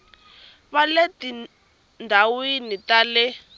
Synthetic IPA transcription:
βaleti | ndʱawinitalɛ

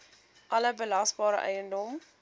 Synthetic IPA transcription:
ʔɐləbəlɐstbɑːɾə̰ʔɛ̰jəndɔm

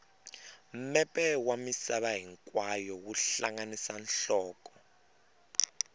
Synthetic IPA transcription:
m̩mɛpʼɛwamisaɓaɦiŋkʼwajɔwuɬaŋanisanɬɔːkʼɔ̥

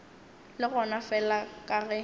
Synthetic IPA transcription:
lɪɣɔnafɛlakʼaɣɛ

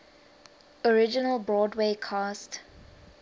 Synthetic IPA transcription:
ɔɹɪd͡ʒɪnəlbɹɔːdweːkʰast

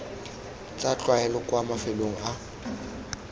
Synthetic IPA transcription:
t͡sʼat͡ɬʼwaɛlɔkʼwamafɪloŋ̩a

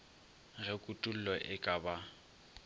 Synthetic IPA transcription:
ɣɛkʼutʼul̩lɔʔɪkʼaba

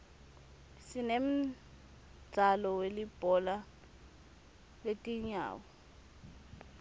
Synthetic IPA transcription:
sinem̩ | d͡z̥ʱalɔwelib̥ʱɔla | letʼiɲa̰ːwɔ

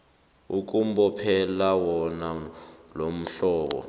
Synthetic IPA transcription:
uk̬ʼum̩bɔpʰɛlawɔnalom̩ɬɔːɓɔ̰

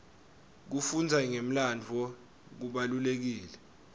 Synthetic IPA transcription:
k̬ufund͡zʱaŋem̩land͡vʱɔ | k̬uɓalulek̬iːlɛ

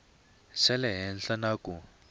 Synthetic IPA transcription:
sɛlɛɦɛnɬanaku

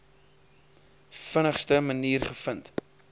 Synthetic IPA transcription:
fənəχstəməniːrχəfənt

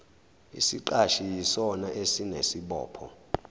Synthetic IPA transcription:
ḭsiǃaʃijisɔnaʔesinesiɓɔ̰ːpʰɔ̰

